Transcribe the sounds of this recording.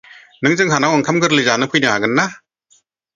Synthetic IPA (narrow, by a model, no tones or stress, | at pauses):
nɯŋzɯŋɦanawaŋkʰamɡɯɾlɯjzanɯpʰɯjnɯhaɡɯnːa